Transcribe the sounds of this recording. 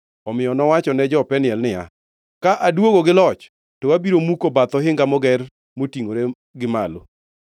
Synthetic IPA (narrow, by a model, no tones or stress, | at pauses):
ɔmɪjɔnɔwat͡ʃɔnɛd͡ʒɔpɛnɪɛlnɪja̰ | kaʔadwoɡoɡɪlɔt͡ʃ | tɔwabiɾomukobat̪ɔɦɪŋɡamɔɡɛr | motiŋoɾe | ɡɪmalo